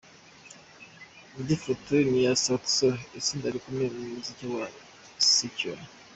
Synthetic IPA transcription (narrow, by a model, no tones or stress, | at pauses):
ndifutunijasoksoesindaɾikumemumuziciwa | sice